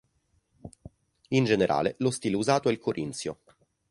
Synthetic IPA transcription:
ind͡ʒeneɾʔa̰ːlelost̪iːleuzaːt̪oɛilkoɾʔint̪sjo̰

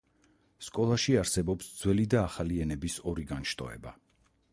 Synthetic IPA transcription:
skʼɔlˠaʃiaɾsɛbɔpsd̪zwɛlid̪aːχaliɛnɛbisɔɾiɡanʃt̪ʼɔ̰ɛ̰ba̰

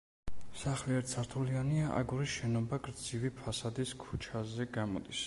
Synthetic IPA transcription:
saχliɛɾt̪sʰaɾt̪ʰulianiaʔa̰ɡuɾiʃɛnɔbaɡɾd̪zivipʰasad̪iskʰu̥t͡ʃʰazɛɡamɔ̰d̪is

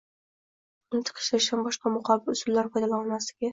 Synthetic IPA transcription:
ʊnɪt̪ʰɨ̥qʰɪ̥ʃlaɪʃambɒʃqɑmʊqʰɑbɪlʊsʊlːaɾpʰɒjd̪alanasɪɡʲɪ

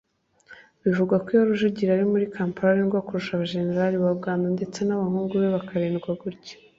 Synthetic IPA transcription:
βivuɡwakwijaɾuʒuɟiɾaɾimuɾikaːmpaɾaɾeniɡwakuɾuʃaβaʒe̞ne̞ɾaliβabɡaːndonde̞t͡se̞naβahuːŋɡuβeβakaɾeːnɡwaɡuɾɟe̥

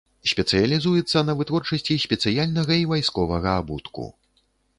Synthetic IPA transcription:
sʲpʲɛt̪sɨjɐlʲizujɛt̪sːɐnɐvɨt̪vɔrt͡ʂɐsʲt͡sʲisʲpʲɛt̪sɨjalʲnɐɣɐivajskɔvɐɣɐabut̪kṵ

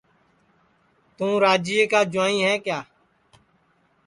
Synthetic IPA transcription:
t̪ũːɾaːd͡ʒieːkaːd͡ʒʊãːĩːɦɛ̃ːkjaː

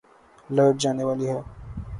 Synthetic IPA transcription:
ləʈ̚d͡ʒaːneʋaːliɦɛː

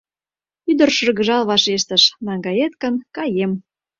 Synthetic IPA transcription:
yd̪ə̆rʃɤ̆rɣə̆ʒɑlβɑʃeʃt̪ə̆ʃnɑŋɡɑjet̪̚kə̆nkɑjem

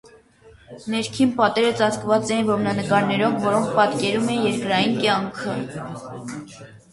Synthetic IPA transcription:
nɛɾkʰinpɑt̪ɛɾət͡sɑt͡skvɑt͡sɛjinvɔmnɑnəkɑɾnɛɾɔvvɔɾɔŋk̚ʰpɑt̪kɛɾumɛjɛɾkɾɑjinkjɑŋkʰə

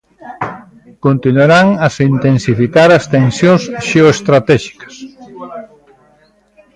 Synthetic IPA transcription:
kõnt̪inwaɾaŋɐsint̪ensifikaɾɐst̪ensjõnsʃeoest̪ɾat̪ɛʃi̥kɐ̥s

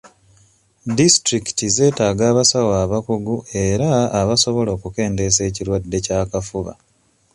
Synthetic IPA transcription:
distɾiki̥tize̞ːtaːɡaːβasawaːβakuɡue̞ɾaːβaso̞βo̞lo̞ːkuke̞ːnde̞se̞ːciɾwadːe̞caːkafuβa̰

